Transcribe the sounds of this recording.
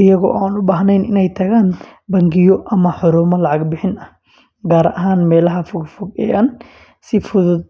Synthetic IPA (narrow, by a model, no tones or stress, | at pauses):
ɪjɐɣɔ̰ʔaːnʊbaːɦnɛjnɪ̰nɛjt̪ʰɐɣaːnbɐŋɡɪjɔʔɐmɐħʊɾɔːmɐlɑʕɑɡbɪħɪnɐh | ɡaːɾʔɐɦaːnmɛːlɐɦɐfʊɡfʊɡɛ̰ːʔɐn | sɪfʊðʊd̪